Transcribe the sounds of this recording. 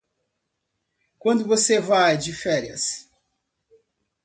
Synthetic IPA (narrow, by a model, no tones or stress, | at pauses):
kwɐ̃nd̪ʊvosevajd͡ʒɪfɛɾiɐ̰s